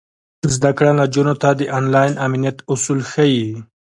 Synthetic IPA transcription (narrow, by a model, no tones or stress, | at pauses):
zd̪akɽalad͡ʒunot̪ad̪əʔanlɑjnaminijat̪ʊsulxaji